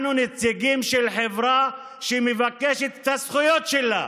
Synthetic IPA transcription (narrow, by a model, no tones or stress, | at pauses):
nunet͡siɡimʃelħevʁa | ʃemevakeʃet̪t̪asχujo̞t̪ʃela̰